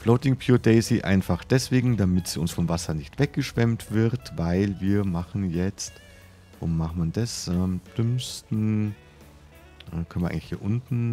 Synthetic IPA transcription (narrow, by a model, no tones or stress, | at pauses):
floʊtɪŋpʰjuːdɛɪziʔa̰ɪnfaχd̥ɛsv̥eːɡŋ̩damɪtsʊ̰nsfɔmvasɐnɪçtv̥ɛk̚ɡ̥əʃv̥ɛmtv̥ɪʁtvaɪlviːɐmaχn̩jɛt͡st | vʊ̰maχtmandɛsʔɛmd̥ʏmstn̩ | ʔɛ̰ːkʰœn̩iːaɪŋlɪ̥hiːɐʔʊntn̩